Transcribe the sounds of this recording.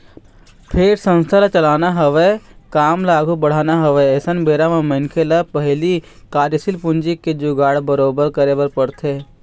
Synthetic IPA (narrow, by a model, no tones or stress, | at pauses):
pʰeːɾsə̃nst̪ʰalat͡ʃəlaːnaɦɐʋekaːmlaːɡʱubɐɽ̤aːnaɦɐʋeɛːsənbeːɾamẽmə̃nkʰelapəɦli | kaːɾjəsilpʊ̃nd͡ʒiked͡ʒʊɡaːɽbəɾoːbəɾkəɾebəɾpəɽt̪ʰeː